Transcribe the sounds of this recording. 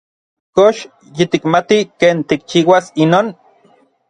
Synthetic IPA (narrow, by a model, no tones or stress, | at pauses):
koʃ | jit̪ikmat̪ikeːnt̪ik̚t͡ʃiːwasinoːn